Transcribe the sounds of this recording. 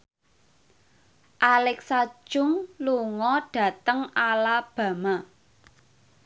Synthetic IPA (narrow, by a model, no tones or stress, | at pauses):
ʔalɛksḁʒ̥ʊ̤ŋluŋɔɖ̥ä̤t̪əŋalab̥ä̤ma